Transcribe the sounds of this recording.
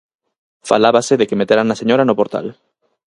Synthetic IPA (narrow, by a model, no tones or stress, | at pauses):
fa̰laβaseðekemet̪eɾanːaseɲoɾanopoɾt̪a̰l